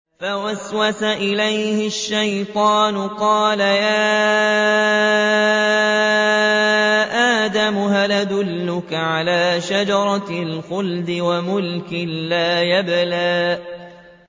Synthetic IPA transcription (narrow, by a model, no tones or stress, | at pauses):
fawaswasaʔɪlajhɪʃːajt̪ˤɑːnʊqɑːlajaː | ʔaːd̪amʊɦalad̪ʊlːʊkaʕalaːʃad͡ʒɑɾˤɑlxʊld̪ɪwamʊlkɪlaːjablaːʔ